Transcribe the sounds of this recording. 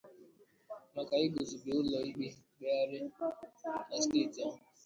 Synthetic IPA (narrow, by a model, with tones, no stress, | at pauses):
na˨ka˨i˦ɡo˨zu˨be˨ʊ˦lɔ˨i˦ɡ͡be˦ɡ͡be˦a˦ɾɪ˦ | na˨steː˦˨ti˨a˨m˨